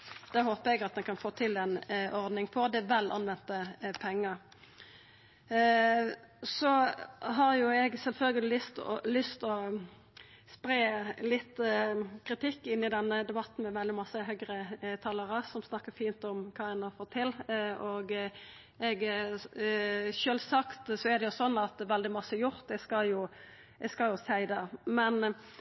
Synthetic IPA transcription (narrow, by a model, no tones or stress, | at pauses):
d̪̥ɛhoːpəɛɡɑt̪̚d̪ɛnkʰɑnfoːt̪ʰɪlɛnʔɔʁd̪nɪŋpʰɔd̪ɛʋɛlːʔɑ̰nʋɛnt̪əpʰɛŋːəʁ | sɔɦɑʁjʊɛɡsɛlfœlɡəlɪlʏst̪ɔ̰lʏst̪ɔ | spɾeːlɪt̪ːkʰʁɪt̪ʰɪkːɪnːɪd̪ɛnːəd̪ɛbɑt̪ːn̩mɛʋɛld̪ɪmɑsəɦœɡɾət̪ʰɑːləɾɑsɔmsnɑkːəfiːnt̪ɔmkʰɑːɛnɑfɔt̪ʰːɪlʔɔɡ | ɛɡ | ʃøːlsɑkt̪sɔɛɾd̪ɛjʊsɔnːɑt̪ʋɛld̪ɪmɑsːəjʊʁt̪ɛɡskɑljʊ | ɛɡskɑljʊsæɪd̪əmɛn